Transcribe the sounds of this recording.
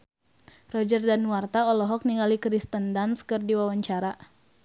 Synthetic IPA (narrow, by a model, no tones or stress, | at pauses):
rɔd͡ʒərdanwart̪aɔlɔɦɔk̚niŋɡalikɾist̪əndanskərdiwawaɲt͡ʃaɾa